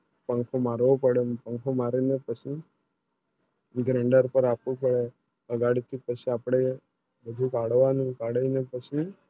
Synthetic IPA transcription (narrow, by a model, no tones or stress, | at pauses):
pəŋkʰomaɾʋopəɽepə̃ŋkʰomaɾinepət͡ʃʰi | ɡɾẽɳɖəɾpəɾapupəɽe | əɡaɽit̪ʰipət͡ʃʰiapɽ̃e | bəd̪ʱũkaɽʋanũkaɽəinepət͡ʃʰi